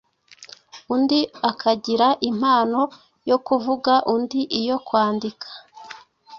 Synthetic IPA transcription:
undiakʰaɟiɾaʔim̥haːno̞ | jo̞kuvuɡaʔundiʔijo̞kwaːndikʰḁ

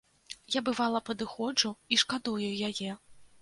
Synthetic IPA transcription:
jabɨvalˠɐpɐd̪ɨxɔd͡ʐuiʂkad̪ujujajɛ

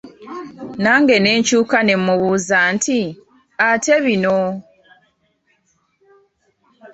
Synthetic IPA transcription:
naːŋɡe̞ne̞ːɲcuːkanemmːuβuːzantʰi | ateβino

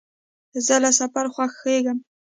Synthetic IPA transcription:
zəlasafaɾxwaxːeɡəm

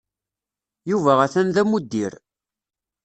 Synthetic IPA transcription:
juvæʁæθænðæmud̪ːiɾ

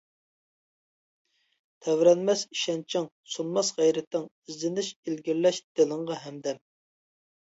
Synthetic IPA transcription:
t̪ʰɛvɾɛnmɛsi̥ʃɛnt͡ʃʰɪŋ | sunmɑsʁæjɾɛt̪ʰːɪŋizlɪnɪʃilɡʲiɾlɛʃd̪̥elˠɨŋʁɑɦɛmd̪ɛm

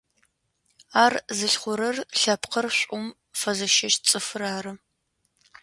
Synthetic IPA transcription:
aːrzɨɬχʷʊɾɐrɬɐpqʰərɕʷʼʊm | fɐzɐʃɐʃt͡sʼɨfɨraːɾɨ

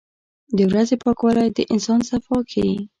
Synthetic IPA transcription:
d̪əwɾazepɑkwɑlɑjad̪əʔɪnsɑnsafɑkʰawi

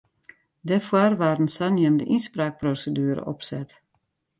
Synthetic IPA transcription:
dɛfwarʋaːrən̩sanjəndə̰ʔinspraːk̚prosədyəɾə̰ʔɔ̰psɛt

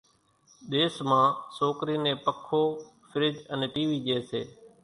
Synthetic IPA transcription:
ɗ̪eːsmãːsoːkɾiːnẽːpəkʰːoː | fʰɪɾɪd͡ʒəneːʈiːʋiːd͡ʒeːseː

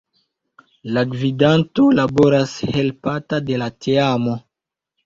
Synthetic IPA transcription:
laɡvidantolaboɾashe̞lpatade̞latʰeamo̞

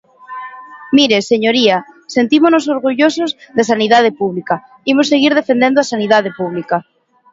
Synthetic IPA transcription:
miɾeseɲoɾiasent̪imonos̬oɾɣuʎosozðesaniðað̞epuβlika | imoseɣ̞iɾð̞efend̪ẽnd̪oasaniðaðepuβ̞lika

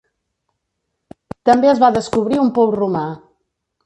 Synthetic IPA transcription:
t̪əmbeəzβaðəskuβɾiumpɔwruma

